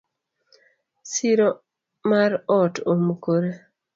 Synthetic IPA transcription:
siɾo | maɾɔtomkoɾe

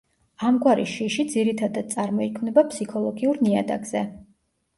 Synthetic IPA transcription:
amɡwaɾiʃiʃid̪ziɾit̪ʰad̪ad̪̥̚sʼaɾmɔikʰmnɛbapʰʼsikʰɔlˠɔɡiuɾnia̰d̪a̰ɡz̥ɛ

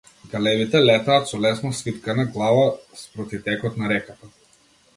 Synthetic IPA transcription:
ɡalɛbit̪ɛlɛt̪aːt̪sɔlɛsnɔsvit̪kanaɡlˠavaspɾɔt̪it̪ɛkɔt̪naɾɛkat̪a

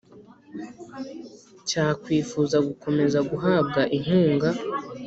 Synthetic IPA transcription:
caːkwiːfuːzaɡuko̞me̞zaɡuɦaːb̚ɡaʔiŋ̥uːŋɡa

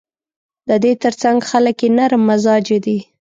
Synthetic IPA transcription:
d̪əd̪et̪əɾt͡saŋɡxaləkjenaɾmːazɑd͡ʒed̪i

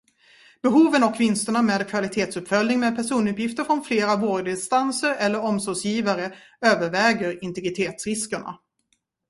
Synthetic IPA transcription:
b̥ɛɦuːvənɔkʰːvɪnst̪əɳameːd̪kʰvalɪt̪ʰeːt̪sɵpfœlnɪŋmeːd̪̚pʰæʂuːnɵpjɪft̪əɾfɾɔnfleːɾavoːɖɪnst̪ansəɾɛlːəɾɔmsɔːɡsjiːvaɾə | øːvəɾvɛːɡəɾɪnt̪ɛɡɾɪt̪ʰeːt̪sɾɪskəɳa̰

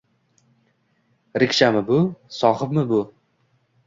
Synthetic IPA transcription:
ɾɪkʲʃamɪbʊsɒχɨpmɪbʊ

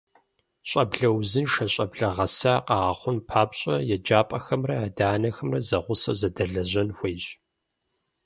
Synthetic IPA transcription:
ɕʼɐbɮɐwzɨnʃɐɕʼɐbɮɐʁɐsaːqɑːʁɐχʷʊnpʰaːpɕʼɐjɛd͡ʒaːpʼɐxɐmrɐaːdaːnɐxɐmrɐzɐʁʷʊsɐ̰zɐdɐɮɐʑɐnxʷejɕ

